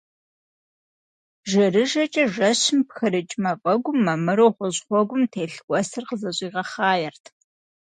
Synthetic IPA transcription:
ʒɐrɨʒɐt͡ʃʼɐʒɐɕɪmpxɨɾɨt͡ʃʼmɐpʼɐɡʷʊmːɐmɨɾoːχʷɔʑχʷɔɡʷʊmtʰeːɬkʷʼɔsɨrqəzɐɕʼiːʁɐχɑːjɛrtʰ

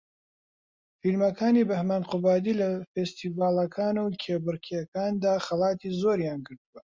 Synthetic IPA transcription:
filmɐkʰaːniːbɐhmaːnqʊbaːd̪ilɐfest̪ivaːlˠɐkʰaːnuwkʰeːbɨɾkʰijɐkaːnd̪aːxɐlˠɑːt̪ʰiːzoːɾjaːnɡɨɾt̪uwɐ

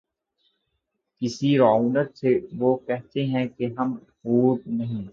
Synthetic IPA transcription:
kɪsiɾaːunəɾseʋokɛɦt̪eɦɛ̃keɦɐm | huːt̪nɐɦĩː

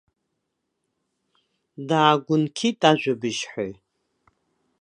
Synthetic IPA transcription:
daːɡʷʊnkʰitʼaʒʷᶣʊbɨʃħe

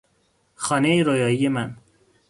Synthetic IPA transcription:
xɒːnejeɾojɒːiːjemæn

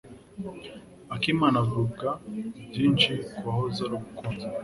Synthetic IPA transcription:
akimanavɾuɡavɟiːnt͡ʃikuahozaɾuɡukoɾ

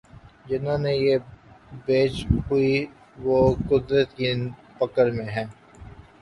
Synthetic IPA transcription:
d͡ʒɪnõnejebeːt͡ʃɦʊi | ʋokʊd̪ɾət̪ki | pɐkəɾmẽɦɛ̃ː

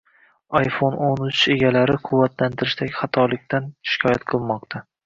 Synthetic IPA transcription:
ɑjfononʊt͡ʃe̞ɡʲalaɾɪqʰʊwːat̪ʰlant̪ʰɪɾɪʃt̪aɡʲχɑt̪ʰɒlɪk̚ʲt̪ʰanʃɪ̥kʲʰɒja̰t̪̚qʰɨlˠmɒqt̪ʰa

